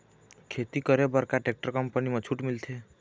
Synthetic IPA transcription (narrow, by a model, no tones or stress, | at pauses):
kʰet̪ikʌɾebʌɾkaʈek̚ʈəɾkʌmpənimãt͡ʃʰuʈmilt̪ʰe